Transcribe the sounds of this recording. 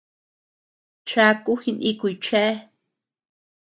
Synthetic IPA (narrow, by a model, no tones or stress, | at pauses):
t͡ʃakuxinʔikujt͡ʃɛ